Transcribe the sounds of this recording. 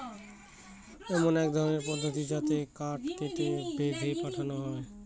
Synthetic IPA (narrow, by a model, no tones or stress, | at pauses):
ɛmonɛk̚d̪ʱɔɾoneɾpɔd̪ʱːot̪id͡ʑat̪ekaɾʈkeʈ̪ebed̪ʱepaʈʰanoɦɔe